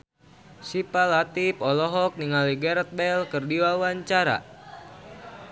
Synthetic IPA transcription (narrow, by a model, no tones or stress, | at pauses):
sipalɦat̪ipɔlɔɦɔk̚niŋaliɡɛɾɛt̪̚bɛlkɨrdiwawaɲt͡ʃaɾa̰